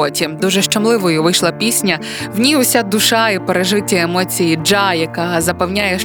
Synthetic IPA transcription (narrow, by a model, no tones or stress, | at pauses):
ɔtʲid̪uʒɛʃt͡ʃɐmlˠɪʋɔjʊʋɪjʃlˠɐpʲisʲnʲɐ | wnʲiʊsʲad̪ʊʃɑipeɾeʒɪtʲːɐemɔt͡sʲijid͡ʒɑjɐkɑzɐpɐwnʲajɛʃ